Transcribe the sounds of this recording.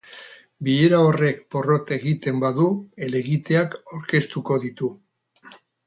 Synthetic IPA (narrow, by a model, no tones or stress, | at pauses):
bieɾao̞re̞kpo̞ro̞t̪e̞ɣit̪e̞mbaðue̞le̞ɣit̪e̞akawɾke̞st̪uko̞ðit̪u